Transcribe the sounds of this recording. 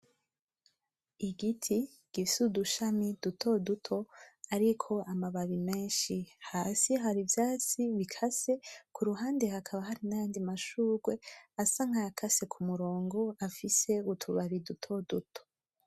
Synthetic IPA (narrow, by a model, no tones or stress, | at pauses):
iɡitʰi | ɡ̥ifisuduʃamid̥utʰo̞dutʰo̞aɾikʰo̞ʔamaβaβime̞ːnʃihasiɦaɾivjaːt͡siβikʰase̞kʰuɾuɦaːnde̞hakʰaβaɦaɾinajaːndimaʃuːɡwe̞asaŋ̥hajakʰasekʰumuɾo̞ːŋɡo̞afise̞utʰuβaβidutʰo̞dutʰo̥